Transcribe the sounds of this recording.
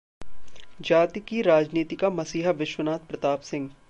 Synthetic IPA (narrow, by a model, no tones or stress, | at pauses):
d͡ʒaːt̪ikiɾaːd͡ʒniːt̪ikamɐsiːɦʋɪʃwənaːt̪̚pɾɐt̪aːpsɪ̃ŋɡ